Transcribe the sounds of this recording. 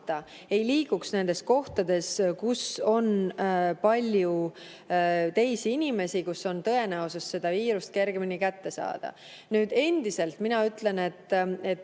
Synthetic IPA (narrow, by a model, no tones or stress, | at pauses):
t̪ːɑ | e̞jliːɡ̥uksne̞nd̪̥e̞sko̞ht̪ɑd̪e̞skuso̞npɑlʲju | t̪e̞jsiinʲime̞sikusːo̞nt̪ɤ̞e̞næususse̞d̪̥ɑviːɾust̪̚ke̞ɾɡe̞minikæt̪ːe̞sɑ̰ːd̪̥ɑ̰ | nyːd̪̥e̞nd̪̥ise̞lt̪minɑyt̪ˑle̞ne̞t̪ˑːe̞t̪ː